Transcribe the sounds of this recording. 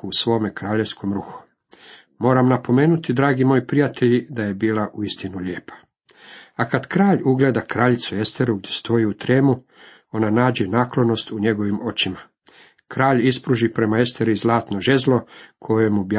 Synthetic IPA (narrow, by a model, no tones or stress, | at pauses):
usʋo̞ːmekɾaːʎe̞ʋskʰo̞mɾuxu̥ | moːɾamnapo̞me̞ːnut̪id̪ɾaːɡimo̞ːjpɾijat̪ʰe̞ʎid̪aje̞biːlˠaʔuist̪inuʎeːpʰḁ | akad̪kɾaːʎuɡle̞ːd̪akɾaʎit̪sue̞st̪e̞ɾuɡ̚d̪ʲje̞st̪ʰo̞iut̪ɾeːmu | o̞nanaːd͡ʑenaːklˠo̞no̞st̪uɲe̞ɡo̞ʋimo̞t͡ɕima | kɾaːʎispɾuʒipɾe̞mae̞st̪e̞ɾizlˠaːt̪no̞ʒe̞zlo̞kʰo̞jeemub